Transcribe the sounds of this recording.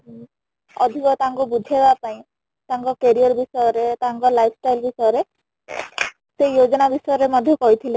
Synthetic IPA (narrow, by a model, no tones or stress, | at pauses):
ɔd̪ʱikɔt̪aaŋkubud̪ʱebapaĩ | t̪ãŋkɔkeɾiɔɾbisɔjɔɾet̪aɦaŋkɔlajpʰsʈajlbisɔjɔɾe | seijod͡ʒɔnabisɔjɔɾemɔd̪ʱjɔkɔɦit̪ʰile